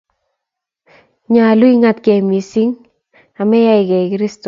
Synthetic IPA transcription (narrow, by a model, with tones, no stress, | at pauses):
ɲaː˨lu˦i˦ŋa˦tkɛ˨mi˨si˦ŋ | a˨mɛ˦ja˦i˨kɛ˨kɪɾi˦stɔ˨